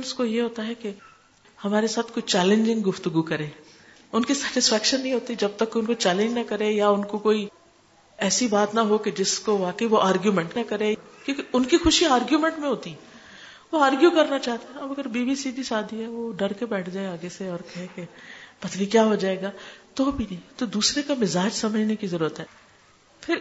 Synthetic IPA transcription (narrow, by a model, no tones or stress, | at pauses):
nskojeɦoːt̪aɦɛke | hɐmaːɾesaːt̪ʰkoːit͡ʃɛːlẽɲd͡ʒɪ̃ŋɡɡʊft̪əɡukɐɾẽː | ʊnkisɛːʈɪsfɛːkʃənːɐɦĩɦoːt̪id͡ʒɐb̚t̪ɐkːʊnkot͡ʃɛːlẽɲd͡ʒnɐkɐɾẽjaʊnkokoːi | ɛːsibaːt̪nɐɦoked͡ʒɪskoʋaːkəiʋoʔaːɾɡjumɛ̃ɳʈnɐkɐɾẽkjõkiʊnkixʊʃiaːɾɡjumɛ̃ɳʈmẽɦoːt̪iɦɛ | ʋoaːɾɡjukɐɾnat͡ʃaːɦt̪eɦɛ̃ɐbɐɡəɾbiːbiːsid̪ʱiʃaːd̪iɦɛʋoɖɐɾkebɛːʈʰd͡ʒaːeaːɡeseɔːɾkɐɦẽkepɐt̪likjaːɦod͡ʒaːeːɡaːt̪obʱinɐ̃ɦĩt̪od̪uːsɾekamɪzaːd͡ʒsɐməd͡ʒʱnekizɐɾuːɾət̪ɦɛː | pʰɪɾ